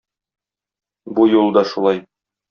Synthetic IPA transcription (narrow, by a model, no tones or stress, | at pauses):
bujulˠd̪ɑʃulˠɑj